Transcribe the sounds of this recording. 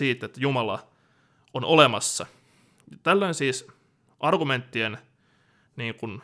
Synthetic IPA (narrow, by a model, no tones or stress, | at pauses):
iːt̪ːet̪ːæjumɑlɑ̰ | onʔolemɑsːɑ | t̪ælːæinsiːs | ʔɑrɡument̪ːien | niːŋkun